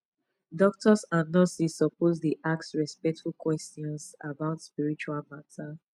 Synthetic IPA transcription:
dɔk̚tʰɔsãnnːɔsisɔposdiʔak̚sɹɛspɛk̚tfulkwɛstiɔ̃nsabaʊtspiɹit͡ʃualmatʰa

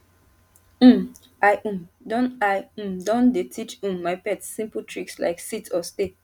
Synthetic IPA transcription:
m | aɪʔũmdɔ̃naɪũmdɔ̃ndetʰit͡ʃũmːaɪpɛtːĩmpultʰɹiksla̰ɪksitʰɔste

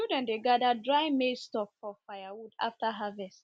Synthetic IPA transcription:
udãndeɡadadɹaɪmestɔpfɔfajawuda̰ftaɦavɛst

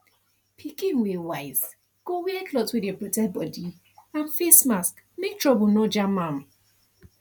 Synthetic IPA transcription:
pʰikĩnwiwaɪz | ɡ̥owiɛkʰlɔtwidjɔpɹotɛt̚bɔdi | ãnfesmaskmek̚tʰɹɔbɔnɔd͡ʒamãm

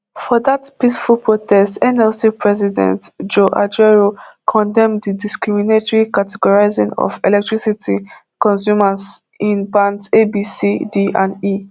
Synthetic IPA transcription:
fɔðatpisfulˠpɹotʰɛstɛnɛlsipʰɹɛzidɛ̰̃ntd͡ʒoʔa̰d͡ʒɛɹokʰɔ̃ndɛ̃mdidiskɹiminetɔɹikatɛɡɔɹaɪzĩŋɔ̰fɛ̰lɛk̚tɹisitʰi | kɔ̃ns̬juməs | ĩnbãntebisidiʔã̰ndi

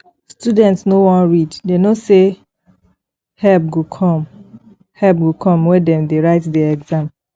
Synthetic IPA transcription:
studɛ̃ntsnowɔ̃nɹiddenose | hɛlp̚ɡukʰɔ̃m | hɛp̚ɡukʰɔ̃mwɛ̃dɛ̃mdeɹaɪtdɛɛɡzãm

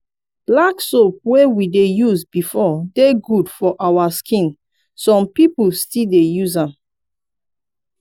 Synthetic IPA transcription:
laksop̚wewidejuzbifɔdeɡudfɔʔawaskĩn | sɔ̃mpipustildejuzãm

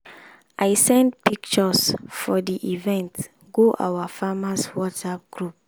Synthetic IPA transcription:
ʔaɪsɛ̃ndpikt͡ʃɔsfɔdiʔivɛ̃nt | ɡoʔa̰wafamaswɔtsap̚ɡ̥ɹup̚

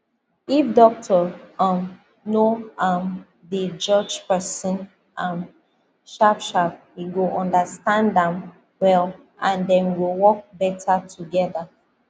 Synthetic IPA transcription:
ifdɔk̚tʰəãm | noam | ðəd͡ʒɔd͡ʒpɛsə̃n | ʔãm | ʃapʃap̚wiɡoʔɔ̃ndəstãndə̃m | wɛl | ʔãndɛ̃nwiwɔk̚bɛtʰatʰuɡɛða

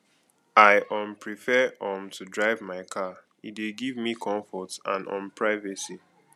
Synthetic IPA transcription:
aɪʔɔ̃mpɹifɛɔ̃mtʰudɹaɪvmaɪkʰa | ḭdeɡivmikʰɔ̃ɱfɔtã̰nɔ̰̃npʰɹaɪvɛsi

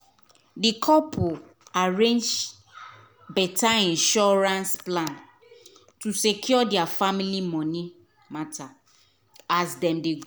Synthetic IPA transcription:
dikʰɔpʰu | aɹẽnd͡ʒ | bɛtaĩnʃɔɹãnsplãn | tusekʰjɔdiafamilimɔ̃nĩ | matʰa | asdɛ̃mdeɡ

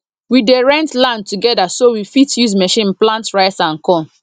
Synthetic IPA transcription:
wideɹɛ̃ntlãntuɡɛdasowifitjuzmɛʃĩnplãntɹaɪsãnkɔ̃n

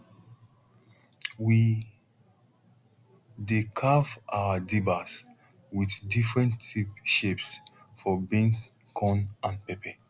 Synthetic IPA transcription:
wi | dekʰavawadibas | wiθdifɹɛ̃ntipʃeps | fɔbĩns | kʰɔ̃nãnpɛpɛ

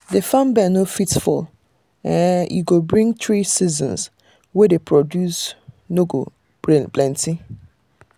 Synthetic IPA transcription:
defãmbɛnofitfʊ̰l | ɛ̃jṵɡobɹĩŋtʰɹisizɔ̰̃ns | wɛdepʰɹɔdjus | noɡo | blɛ̃ntʰĩ

